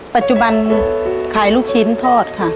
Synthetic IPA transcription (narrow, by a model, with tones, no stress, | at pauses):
pa˧˩t̪̚t͡ɕu˧ba˧nkʰaː˩˦jluː˦˧˩k̚t͡ɕʰi˦˥nt̪ʰɔː˥˩t̪̚kʰa˥˩